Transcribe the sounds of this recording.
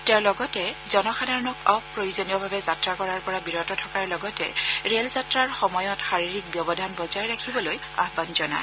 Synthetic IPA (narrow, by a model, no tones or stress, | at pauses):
teaɹlɔɡɔtɛzɔnɔxʰadaɹnɔkapɹojuzɔnijɔbʱabɛzatɹakɔɹaɹpɔɹabiɹɔtɔtʰɔkaɹlɔɡɔtɛ̰ɹelzatɹaɹxɔmɔjɔtxaɹiɹik̚bjɔbɔdʱanbɔzajɹakʰibɔloj | a̰ɦbanzɔna̰ɪ